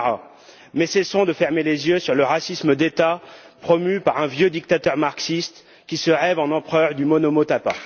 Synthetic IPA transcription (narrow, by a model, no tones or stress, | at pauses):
a | mɛsɛsɔ̃d̪əfɛʁmelezjøsyʁləʁasisməd̪et̪a | pχɔmypaʁɛ̃vjød̪ik̚t̪at̪œʁmaʁksist̪ | kʲisəʁɛvɑ̃nɑ̃pχœʁd̪ymɔnɔmot̪apa